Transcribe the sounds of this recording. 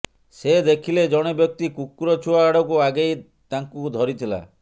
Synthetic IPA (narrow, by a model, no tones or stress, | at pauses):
sed̪ekʰiled͡ʒɔɽ̃ebjɔk̚t̪ikukuɾɔt͡ʃʰuaːɽɔkuaɡej | t̪aŋkud̪ʱɔɾit̪ʰila̰